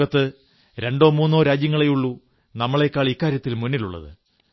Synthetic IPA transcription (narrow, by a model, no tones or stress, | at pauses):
ɐt̪ːɨ | ɾe̞ɳɖo̞ːmuːnːo̞ːɾaːd͡ʑjɐŋːɐɭejuɭːu | nɐmːɐɭe̞ːkːaːɭikːaːɾjɐt̪ːilmunːiluɭːɐ̰ðɨ̰